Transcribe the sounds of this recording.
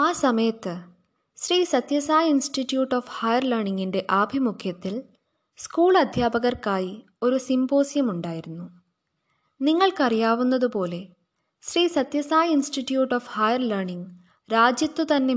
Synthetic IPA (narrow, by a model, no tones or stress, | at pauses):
aːsɐmɐjɐt̪ːɨ | ɕriːsɐt̪jɐsaːjɐinsʈitːjuːʈːoːfhɐjɐrlɐrɳiŋɡinde̞ʔaːbʱimukʰjɐt̪ːil | skuːɭɐd̪ʱjaːbɐɣɐrkaːji | o̞ɾusimbo̞ːsjɐmuɳɖaːjiɾunːu | niŋːɐɭkɐrijaːʋunːɐðupo̞ːle̞ | ɕriːsɐt̪jɐsaːjɐinsʈiʈːjuːʈːoːfhɐjɐrlɐrɳiŋ | ɾaːd͡ʑjɐt̪ːut̪ɐnːe̞